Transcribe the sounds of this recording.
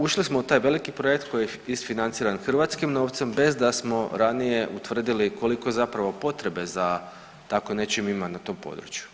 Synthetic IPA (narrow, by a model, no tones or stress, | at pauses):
uʃlismout̪aːjʋe̞likipɾojek̚t̪̚ko̞ji | isfinant̪siːɾanxr̩ʋat̪skimno̞ːʋt̪se̞mbe̞zd̪asmo̞ɾanije̞ʔut̪ʋr̩d̪iliko̞liko̞zapɾaʋo̞po̞t̪ɾe̞be̞za | t̪akone̞t͡ʃimimanat̪o̞ːmpo̰d̪ɾṵt͡ʃju̥